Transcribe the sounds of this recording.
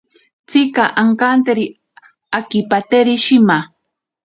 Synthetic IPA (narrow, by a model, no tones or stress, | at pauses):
t͡sɪkaʔaŋkant̪eɾi | akipat̪eɾiʃima